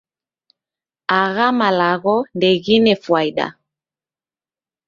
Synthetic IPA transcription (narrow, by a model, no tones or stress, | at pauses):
aɣamalaɣɔndɛɣinɛfwaiɗa̰